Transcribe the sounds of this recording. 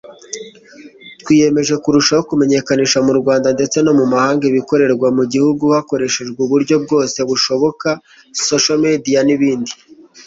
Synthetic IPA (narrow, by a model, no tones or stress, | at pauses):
twiːje̞me̞ʒe̞kuɾuʃahokume̞ɲe̞kaniʃamuɾɡwaːndande̞t͡seno̞mumahaːŋɡeβiko̞ɾe̞ɾɡwamuɟihuɡuhako̞ɾe̞ʃe̞ʒɡwuβuɾɟo̞b̚ɡo̞ːse̞βuʃo̞βo̞ka | so̞ʃomedijaniβiːndi